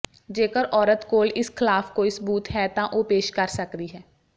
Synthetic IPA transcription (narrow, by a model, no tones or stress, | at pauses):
d͡ʒeːkəɾʔɔːɾət̪koːlɪskʰɪlaːfkoːɪsəbuːt̪ɦɛːt̪ãːʔoːpeːʃkəɾsəkɾiːɦɛː